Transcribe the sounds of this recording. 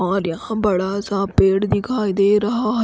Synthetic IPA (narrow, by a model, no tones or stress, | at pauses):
ãːɾjɐɦãbɐɽaːsãːpeːɽd̪ikʰaːid̪eːɾɐɦaɦ